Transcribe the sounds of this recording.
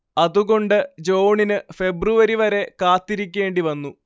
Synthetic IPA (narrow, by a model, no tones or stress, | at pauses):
ɐðuɣo̞ɳɖɨd͡ʑo̞ːɳinɨfe̞bruʋɐɾiʋɐɾe̞kaːt̪ːiɾikʲːe̞ːɳɖiʋɐnːu